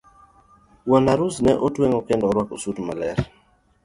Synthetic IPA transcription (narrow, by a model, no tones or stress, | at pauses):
wanaɾusnɛʔotweŋɔkɪndɔɾwakosudma̰lɛɾ